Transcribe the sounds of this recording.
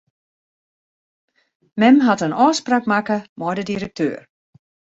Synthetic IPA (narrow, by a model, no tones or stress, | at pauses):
mɛmɦatənɔːsprakmakəmɔjdədiɾək̚tʰø̰ːr